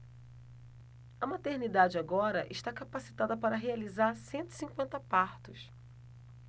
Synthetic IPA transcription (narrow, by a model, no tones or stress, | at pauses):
ɐmat̪eɾnid̪ad͡ʒɪaɡɔɾɐ̰ʔɪ̰ʃt̪akapasi̥t̪ad̪ɐpaɾɐɦealizaɾsẽnt̪ʊi̥sĩŋkwẽnt̪ɐpaɾt̪ʊs